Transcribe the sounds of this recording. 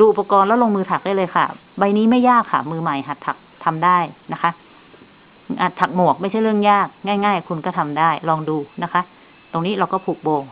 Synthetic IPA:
duː˧ʔu˨˩pːa˧kɔː˧nlɛ˦˥wlo˧ŋmɯː˧t̪ʰa˨˩k̚daː˥˩lɤː˧jkʰa̰˥˩ | ba˧jniː˦˥ma˥˩jːaː˥˩kʰːa̰˦˥˩mɯː˧ma˨˩jɦa˨˩t̪ʰːa˨˩k̚t̪ʰa˧mdaː˥˩jna˦˥kʰa˦˥ʔ | ha˨˩t̪ʰːa˨˩k̚mu˨˩ək̚ma˥˩jt͡ɕʰa˥˩jɾɯ˥˩əŋjaː˥˩k̚ŋaː˥˩jŋaː˥˩jkʰu˧nkɔː˥˩t̪ʰa˧mdaː˥˩jlɔː˧ŋduː˧na˦˥kʰa˦˥ʔ | t̪o˧ŋniː˦˥ɾa˧wkɔː˥˩pʰuː˨˩k̚boː˧ŋ

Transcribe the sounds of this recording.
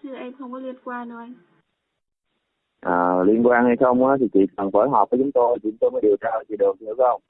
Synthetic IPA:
t̪ʰɨ˧˩ʔɛ˧mxə˧wŋ͡mkɔ˨˦li˧˩ənkwaː˧no˨˧˩j | ʔaː˨˩li˧ənkwaː˧nha˧jxə˧wŋ͡maː˨˦t̪ʰi˨˩t͡ɕḭ˨˩kə˨˩nfəː˧˦jɦɔː˨˩pvəː˨˦jt͡ɕʊ˨˦ŋ͡mt̪o˧jt̪ʰi˨˩t͡ɕʊ˨˦ŋ͡mt̪o˧jkɔː˨˦ɗi˨˩əwt͡ɕaː˧ʔə˧˨˩t͡ɕi˧˩ɗə˨˩nt̪ʰɨ̰˧˥kxə˧wŋ͡m

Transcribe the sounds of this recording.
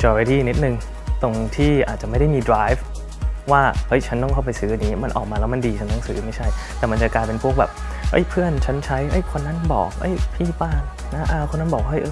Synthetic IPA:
t͡ɕɔː˧ɾi˧t̪ʰiː˥˩ni˦˥t̪̚nɯ˨ŋ | t̪o˧ŋt̪ʰiː˥˩ʔaː˨˩t̪̚t͡ɕa˨˩ma˥˩jda˥˩jmiː˧dɾaː˦˥jf | waː˥˩hɤ˦˥jt͡ɕʰa˦˥nt̪ɔ˥˩kʰa˥˩wp̬a˧jsɯː˦ʔa˧nːiː˦˥ma˧nʔɔ̰ː˨˩k̚maː˧lɛː˦˥ma˧ndiː˧t͡ɕʰa˦˥nt̪ɔ˥˩ŋsɯ̰ː˦˥ma˥˩jt͡ɕʰa˥˩jt̪ɛː˨˩ma˧nt͡ɕa˨˩klaː˧jpe˧npʰu˥˩ək̚bɛ̰ː˨˩p̚ | hɤ̰˦˥jpʰɯ˥˩ənt͡ɕʰa˦˥nt͡ɕʰa˦˥jhɤ˦˥˩jkʰo˧nːa˥˩nbɔ̰ː˨˩k̚ɤ̰˦˥˩jpʰiː˥˩paː˥˩ŋ | na˦˥ʔa˧kʰo˧nːa˥˩bɔː˨˩k̚ha˥˩ʔɤː˧

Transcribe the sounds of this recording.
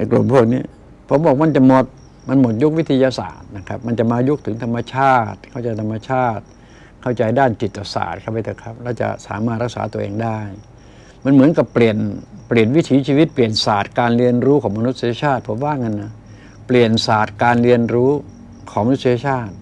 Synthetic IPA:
a˧˩jklo̰˨˩mpʰu˥˩ək̚niː˦˥˩ | pʰo˩˦mbɔː˨˩k̚ma˧nt͡ɕa˨˩mo˨˩t̪̚ | ma˧nmo˨˩t̪̚ju˦˥k̚wi˦˥t̪ʰːa˧jaː˧sa̰ː˨˩t̪̚na˦˥kʰa˦˥p̚ma˧nt͡ɕa˨˩maː˧ju˦˥k̚t̪ʰɯ˩˦ŋt̪ʰa˧mːa˧t͡ɕʰaː˥˩t̪̚kʰa˥˩wt͡ɕa˧jt̪ʰa˧mːa˧t͡ɕʰaː˥˩t̪̚ | kʰa˥˩wt͡ɕa˧jdaː˥˩nt͡ɕi˨˩t̪ːa˧˩sa̰ː˨˩t̪̚kʰa˧˩p̚ːa˧˥˩t̪ʰːkʰa˦˥p̚lɛː˦˥˩t͡ɕa̰˨˩sa̰ː˩˦maː˥˩t̪̚ɾa˦˥k̚sa̰ː˩˦t̪u˧ʔḛː˧ŋdaː˥˩j | ma˧˥nmɯ˩˦ənka˨˩˦pːli˨˩ənpli˨˩ənwi˦˥t̪ʰiː˨˦t͡ɕʰiː˧wi˦˥t̪̚pli˨˩ənsaː˨˩t̪̚kaː˧nɾi˧ənɾuː˦˥kʰɔː˩˦ŋma˧nu˦˥t̪̚sa˧ja˧t͡ɕʰaː˥˩t̪̚pʰo˨˩˦mwaː˥˩ŋa˧nːa˦˩ | pli˨˩ənsaː˨˩t̪̚kaː˧nɾi˧ənɾuː˦˥ | kʰɔː˨˦ma˧nu˦t̪si˧ja˧t͡ɕʰaː˥˩t̪̚

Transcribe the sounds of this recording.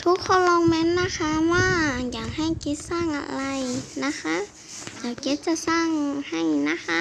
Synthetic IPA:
t̪ʰu˧˦˥kʰːɔ˧˩wlɔː˧ŋmɛː˧˥˨nːa˧˥˨kʰa˧˥waː˧˩˨jaː˨˩ŋha˧˩jke˧˦˥t̪̚saː˧˩ŋʔa̰˧˩la˧jna˧˥kʰa˧˥ | laː˧˩wke˦˥t̪̚t͡ɕa˧˩saː˧˥˩ŋha˧˩jna˧˥kʰa˧˦˥

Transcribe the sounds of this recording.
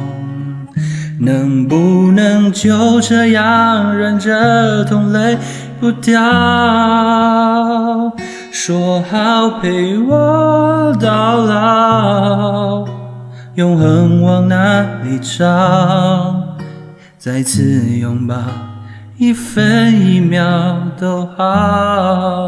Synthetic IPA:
nə˧˦ŋpu˧nə˧ŋt͡ɕʰjo˧ʈ͡ʂə˧jɑ˧˥ŋɻə˧nʈ͡ʂə˧t̪ʰʊ˧˥ŋle˧˥ɪ | pu˧˥t̪jɑ˧ | ʂɔ˧hɑ˧ʊpʰe˧˩ɪwɔ˥t̪ɑ˧˥ʊlɑ˧ | jʊ˧ŋxə˧ŋwɑ˧˥ŋna˧˩li˨˩ʈ͡ʂɑ˥ | t͡sa˧ɪt͡sʰɹ̩˧jʊ˧ŋpa˨˧ | i˥˩fə˧ni˧˩mjɑ˧ʊt̪o˧ʊxɑ˧˦

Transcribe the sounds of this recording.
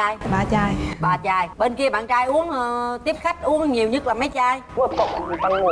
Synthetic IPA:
aː˧jɓaː˨˩t͡ɕaː˧jɓaː˨˩t͡ɕaː˧˩jɓe˧nki˧əɓa̰ː˧˨nt͡ɕaː˧jʔu˨˦əŋː˨˩t̪i˦˥əp̚xa˦˥jk̟̚ʔu˨˦əŋɲi˨˩əwɲə˦˥laː˨˩ma˨˦jt͡ɕaː˧jkɔ˨˩˨t̪a˧ŋ˧

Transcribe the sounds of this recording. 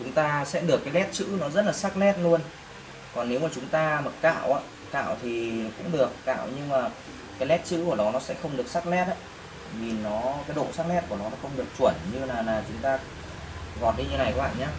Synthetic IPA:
t͡ɕʊ˨˦ŋ͡mt̪aː˧sɛ̰˧˥ɗɨ˨˩əkːaː˨˦jlɛ˦˥t̚t͡ɕɨ̰˧˥nɔ˨˦zə˦˥t̚laː˨˩sa˦˥k̚lɛ˦˥t̚lu˧ən | kɔ˨˩nːe˨˦wmaː˨˩t͡ɕʊ˨˦ŋ͡mt̪aː˧mə˨˩t̚ka̰ː˧˨wʔaː˨˧˦ | ka̰ː˧˨wt̪ʰi˨˩˨kʊ̰˧˥ŋ͡mɗɨ˨˩əkːa̰ː˧˨wɲɨ˧maː˨˩ | kaː˨˦jlɛ˦˥t̚t͡ɕɨ̰˧˥ku˧˩ənɔ˨˦nɔ˨˦sɛ̰˧˥xə˧wŋ͡mɗɨ˨˩ək̚sa˦˥k̚lɛ˦˥t̚ʔaː˧˦ | vi˨˩nɔ˨˦kaː˨˦jɗo̰˧˨saː˦˥k̚lɛ˦˥t̚ku˧˩ənɔ˨˦nɔ˨˦xə˧wŋ͡mɗɨ˨˩ək̚t͡ɕu˧˩ənɲɨ˧laː˨˩laː˨˩t͡ɕʊ˨˦ŋ͡mt̪aː˧ | ɣɔ˨˩t̚ɗi˧ɲɨ˧˦na˨˩jkɓa̰ː˧˨˩ɲaː˧

